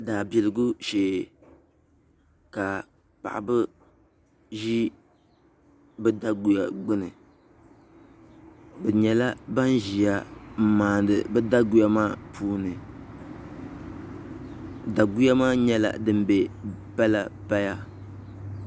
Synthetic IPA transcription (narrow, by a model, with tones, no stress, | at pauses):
daː˨bi˨lɨ˨ɡu˦ʃeː˨ | ka˨ | pa̰˨ʔa̰˨bɨ˦ | ʒi˦ | bɛ˦da˦ɡu˨ja˨ɡ͡bɨ˦nɨ˨ | bɛ˨ɲɛ˨la˦ba˦nʒi˨ja˦m̩˦maː˨ndɨ˨bɛ˦da˦ɡu˦ja˦maː˦pʰuː˦nɨ˨ | da˨ɡu˦ja˦maː˦ɲɛ˦la̰˨dɨ˦mbɛ˨pɛ˦la˦pa˦ja˦